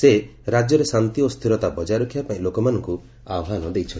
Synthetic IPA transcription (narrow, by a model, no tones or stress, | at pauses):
seɾad͡ʒjɔɾesant̪iɔst̪ʰiɾɔt̪abɔd͡ʒaɾɔkʰibapaĩlokɔmanɔŋku | awɦanɔd̪ejt͡ʃʰɔn